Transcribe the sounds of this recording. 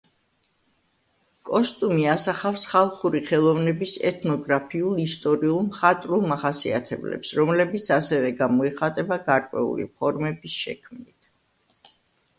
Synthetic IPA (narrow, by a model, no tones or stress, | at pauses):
kʼɔst̪ʼumiasaχafsχalˠχuɾiχɛlˠɔvnɛbisɛ̰t̪ʰnɔɡɾapʰiulˠist̪ʼɔɾiulˠmχat̪ʼɾulˠmaχasia̰t̪ʰɛblɛ̰psɾɔmlɛbit̪sʰasɛvɛɡamɔiχat̪ʼɛbaɡaɾkʼwɛ̰ṵlḭpʰɔɾmɛbisʃɛ̰kʰmnit̪ʰ